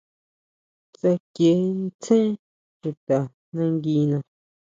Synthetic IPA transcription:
t͡sa˧kje˨˦n˦t͡sẽ˦ | ʃu˨t̪a˨ | nã˧ŋɡi˧nã˧

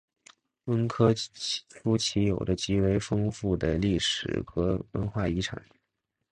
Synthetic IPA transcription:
wə˥nkʰɤ˥fu˥t͡ɕʰi˧˥jo˨˩ʊd̪ə˦t͡ɕi˧˥we˧˥ɪfɤ˥ŋfu˥˩d̪ə˩li˥˩ʂɻ̩̰˨˩xɤ˧˥wə˧˥nxwa˥˩i˧˥ʈ͡ʂʰa̰˨˩˦

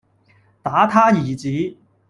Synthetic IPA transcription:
t̪aː˨˥t̪ʰaː˥jiː˨˩t͡siː˨˦

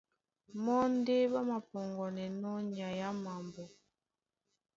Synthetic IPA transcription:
mɔ˦n˦de˦ba˦ma˨pɔ˨ŋɡɔ˨nɛ˨nɔ˦ɲa˨ja˦ma˨mbɔ˨

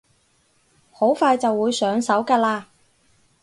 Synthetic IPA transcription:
ho˨˥wfaː˧jt͡sɐ˨wːuː˨˧jsœː˨˧˥ŋsɐ˨˥wkaː˧laː˧

